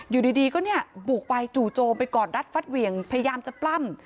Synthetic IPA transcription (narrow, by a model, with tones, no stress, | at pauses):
juː˨˩diː˧diː˧kɔː˥˩ni˥˩ɐbuː˨˩k̚wa˧jt͡ɕuː˨˩t͡ɕoː˧mpa˧jkɔː˨˩nɾa˦˥t̪̚fa˦˥t̪̚wi˧˩əŋpʰa˧ja˧jaː˧mt͡ɕa˨˩pla˥˩m